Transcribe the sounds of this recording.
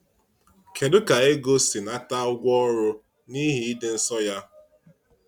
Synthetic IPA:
kʰe˨dʊ˦ka˨e˦ɡo˦si˨na˦ta˦ʊ˦ɡʷɔ˦ɾʊ˦ | ni˦ɦi˨i˦de˨n̩˦sɔ˦ja˦

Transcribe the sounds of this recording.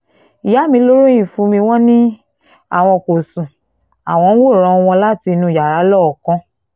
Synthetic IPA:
i˨ja˨˦mĩ˧˦lo˦ɾo˦j̃ĩ˦˨fũ˨˧˦mĩ˧w̃ɔ̃˦nĩ˦ | a̰˦˨w̃ɔ̃˧ko˨sũ˨ | a˨w̃ɔ̃˧n̩˦wo˦˨ɾ̃ɔ̃˧w̃ɔ̃˧la˦ti˧nũ˧˨ja˨ɾa˨˦lɔ˦˨ɔ˨kɔ̃˧˦

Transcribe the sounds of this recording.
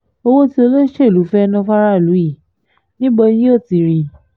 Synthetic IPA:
o˧wo˦ti˦o˧lo˦ʃe˦˨lu˨˦fɛ˦˧nã˧fa˦ɾa˦˨lu˨˦i˦˨ | nĩ˦bɔ˧nĩ˦o˦˨ti˧ɾi˧

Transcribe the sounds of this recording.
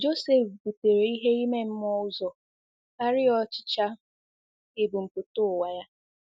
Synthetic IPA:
d͡ʒo˦se˦˨fbu˨te˨ɾe˨i˦ɦe˦i˦me˦m̩˦m˦ɔ˦ʊ˦zɔ˨ | a˦ɾɪ˦ɔ˦t͡ʃɪ̥˦t͡ʃa˦ | e˨bu˨m̩˨pu˨to˦ʊ˨wa˨ja˦

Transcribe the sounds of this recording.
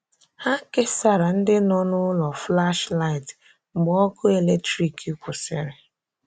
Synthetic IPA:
ha˦ke˦sa˦ɾa˨n̩˦dɪ˦nɔ˦nʊ˦lɔ˨fla˦ʃla˦ɪ˨t | ŋ͡m̩˨ɡ͡bɔ˦kʊ˦e˨le˦k̚tɾi˨ki˦kʷʊ˨sɪ˦ɾɪ˨

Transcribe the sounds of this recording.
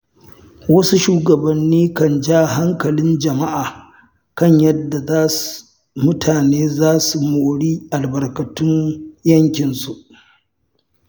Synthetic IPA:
wɐ˦su˦ʃuː˦ɡɐ˨bɐ˨nːiː˦kɐ˨nd͡ʒaː˦˨ɦa˦ŋkɐ˨lɪ˦nd͡ʒɐ˨ma˦ʔaː˨ | kɐ˦˨ɲjɐ˦dːa˨zaː˦s | mʊ˦tʰaː˨neː˦zaː˦su˨moː˨ɽiː˦ʔa˨lbɐ˨rkɐ˨tʊ˦njɐ˦ŋkʲɪ˨nsu˨ʔ

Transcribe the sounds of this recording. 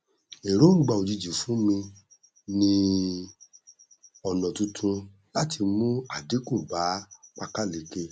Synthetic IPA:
e˨ɾo˦ŋ̩˦ɡ͡ba˧˨o˨d͡ʒi˧d͡ʒi˨fũ˨˦mĩ˧ | nĩ˧ | ɔ˨nɔ̃˨tũ˧tʰũ˧ | la˦ti˧mũ˦a˦˨de˨˦kũ˦˨ba˨˦k͡pa˧ka˦˨le˨ke˧

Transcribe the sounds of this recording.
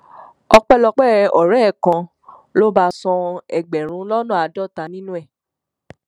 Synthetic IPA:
ɔ˧k͡pɛ˦lɔ˧k͡pɛ˦˨ɔ˨ɾɛ˦˨kã˧ | lo˦ba˧sɔ̃˧ɛ˨ɡ͡bɛ˨ɾ̃ũ˨˦lɔ˦nũ˦˨a˨dɔ˦˨ta˧˦nĩ˦nũ˦ɛ˦˨

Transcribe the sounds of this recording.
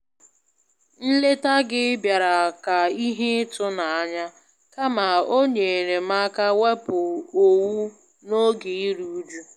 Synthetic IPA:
n̩˦le˦ta˦ɡɪ˦bja˨ɾa˨ka˨i˦ɦe˦tʊ˦na˨a˦ɲa˦ | ka˦ma˨o˦ɲe˨ɾe˨ma˦ka˦we˦pʊ˨o˨wu˦ | no˦ɡe˨i˦ɾu˦u˦d͡ʒu˦

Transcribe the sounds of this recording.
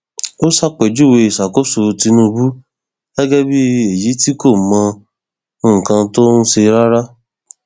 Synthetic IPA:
o˦sa˦k͡pɛ˨d͡ʒu˦˨we˧i˨sa˨ko˦so˧ti˧nũ˦˧bu˦ | ɡɛ˦ɡɛ˦bi˦e˨ji˨˦ti˦ko˦˨mã˧˦˨ | kã˧to˦n̩˦ʃe˧ɾa˦ɾa˦

